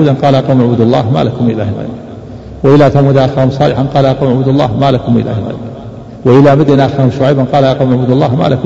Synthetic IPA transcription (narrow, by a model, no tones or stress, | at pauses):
d̪anqɑːlʔɑquwmʕbud̪ɑlˤːɑ̰ːhma̰lakʊmʔɪla̰ːhɪlɣa̰jb | wɪʔɪlat̪amʊd̪ʔaxaːhʊmsˤɑːlɪħanqɑːlaʔɑqɑuwmʕbuːd̪ɑlˤːɑ̰ːhmalakʊmʔɪ̰la̰ːhɪlɣa̰jb | wɪʔɪlamɪd̪ɪnʔaxahʊmʃʊwajbanqɑːlaʔɑqɑwmʊʕbuːd̪ɑlˤːɑːhma̰ːlakʊ